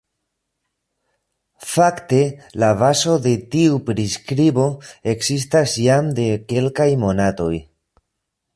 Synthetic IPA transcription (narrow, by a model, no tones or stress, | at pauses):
fakt̪e̞laβaso̞ðe̞t̪iupɾiskɾiβo̞e̞ksis̬t̪asjamd̪e̞ke̞lkajmo̞nat̪o̞j